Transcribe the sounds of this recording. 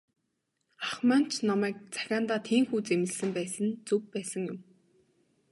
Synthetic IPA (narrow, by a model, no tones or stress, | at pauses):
aχman̥t͡ɕʰnɔmæːk̚t͡sḁxʲaːnt̪aːt̪ʰiːmxuːt͡semɘ̆ɮsɘ̆mpæːsə̆nt͡sɵk̚pæːsə̆ŋjʊm